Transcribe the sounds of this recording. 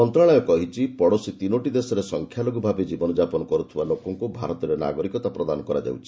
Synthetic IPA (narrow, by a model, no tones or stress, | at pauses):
ɔnt̪ɾaɭɔjɔkɔɦit͡ʃʰipɔɽosit̪inoʈid̪esɔɾesɔŋkʰjaloɡubʱabed͡ʒibɔnɔd͡ʒapɔnɔkɔɾut̪ʰibalokɔŋkubʱaɾɔt̪ɔɾena̰ɡɔɾikɔt̪apɾɔd̪anɔkɔɾa̰d͡ʒa̰wt͡ʃʰi̥